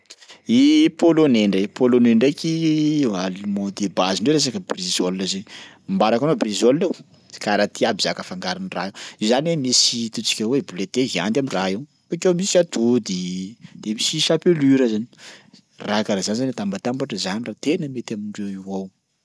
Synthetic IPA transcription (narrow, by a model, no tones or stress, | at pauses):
ipoloneɳɖ͡ʐepoloneɳɖ͡ʐekialimod̪ebaziɳɖ͡ʐeɾes̬akəbrizolnazeni | mbaɾakanobrizolnew | kaɾat̪iabizakəfaŋɡaɾanira̰ewizanemisit̪ut͡si̥kʲawebulet̪eɦia̰nt̪amiraew | akewmisiat̪ud̪id̪̥emisiʃapelyɾazani̥ | rakaɾazanizanat̪ambat̪ambaʈ͡ʂəzanirat̪enəmet̪amiɳɖ͡ʐewiwaw